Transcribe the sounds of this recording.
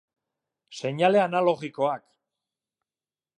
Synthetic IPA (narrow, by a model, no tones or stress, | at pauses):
se̞ɲale̞analo̞ɣiko̞ak